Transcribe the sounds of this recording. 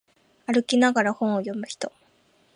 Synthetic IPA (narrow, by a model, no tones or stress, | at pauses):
aɾɯ̟kʲinaɡaɾahõ̞ɰ̃ojo̞mɯ̟çi̥t̪o̞